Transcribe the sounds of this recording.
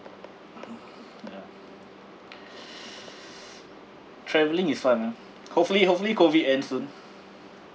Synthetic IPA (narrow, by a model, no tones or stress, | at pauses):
ja | tʰɹɛvəlĩŋisfãna | hopfəlihop̚fəlikoviʔɛ̃nsũn